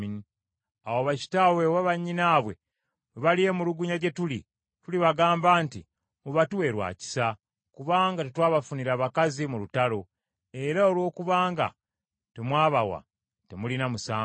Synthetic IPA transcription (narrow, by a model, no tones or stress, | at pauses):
ini | awoβaci̥tawewaβaɲːinaβwe̞̰ | weβalije̞muluɡuɲaɟe̞tuli | tuliβaɡaːmbaːnti | muβatuwe̞ɾwa̰ːci̥sa | kuβaːŋɡatetwaːβafuniɾaːβakazimulutalo̞ | e̞ɾao̞lwo̞ːkuβaːŋɡa̰ | te̞mwaːβawa̰ | te̞mulinamusaː